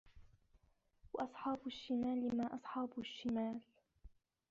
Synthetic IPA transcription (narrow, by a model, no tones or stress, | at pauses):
wɑʔɑsˤħɑːbʊʃːɪmaːlɪmaːʔɑsˤħɑːbʊʃːɪmaːl